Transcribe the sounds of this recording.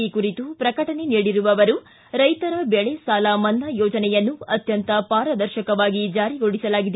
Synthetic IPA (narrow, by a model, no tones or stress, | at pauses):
ikuɾit̪upɾɐkɐʈɐne̞niːɽiɾuʋɐʋɐɾu | ɾɐjt̪ɐɾɐbɛɭɛsaːlɐmɐnːɐjɔːd͡ʒɐnɛjɐnːuɐt̪jɐnt̪ɐpaːɾɐd̪ɐɾʃɐkɐʋaːɡid͡ʒaːɾiɡoɽisɐlaːɡid̪